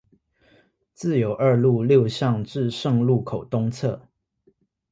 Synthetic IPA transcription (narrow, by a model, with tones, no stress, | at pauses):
t͡sɹ̩˥˨jo˨˩ʊʔə˞˥˧lu˥˨ljo˥˧ʊɕjɑ˥˨ŋʈ͡ʂɻ̩˥˧ʂɤ˥˧ŋlu˥˨kʰo˨˩ʊt̪ʊ˦ŋt͡sʰɤ˥˩˨